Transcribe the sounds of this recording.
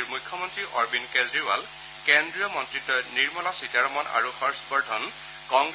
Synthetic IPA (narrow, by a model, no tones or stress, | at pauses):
ɹmujkʰːɔmɔntɹiʔɔɹbinkezɹiwa̰l | kendɹijɔmɔntɹitːɔniɹmɔlasitaɹɔmɔna̰ɹuxɔɹspɔɹdʰʱɔn | kɔŋɡ